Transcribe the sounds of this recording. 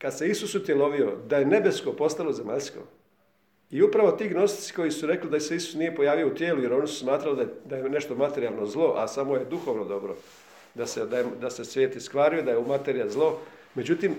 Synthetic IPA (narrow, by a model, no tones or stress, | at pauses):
kad̪se̞isusut̪jelˠo̞ʋio̞d̪aje̞ne̞be̞sko̞po̞st̪alˠo̞zemaʎsko̞̰ | iupɾaʋo̞t̪iːɡno̞st̪i̥t̪si̥ko̞jisuɾe̞klid̪aseisu̥snije̞po̞jaːʋijo̞ut̪jeːluje̞ɾo̞nisu̥smaːt̪ɾalid̪ad̪ajene̞ʃt̪o̞mat̪e̞ɾialˠno̞zlˠo̞ʔa̰samo̞je̞d̪uxo̞ʋno̞d̪o̞bɾo̞̰ | d̪ased̪ajed̪ase̞sʋje̞ːt̪iskʋaːɾijod̪ajeumat̪eɾijazlˠo̞ | me̞d͡ʑut̪im